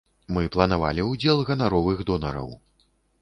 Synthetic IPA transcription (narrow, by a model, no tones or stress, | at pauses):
mɨplˠɐnava̰lʲiud͡zʲɛlˠɣɐnaɾɔvɨɣd̪ɔnɐɾɐ̰w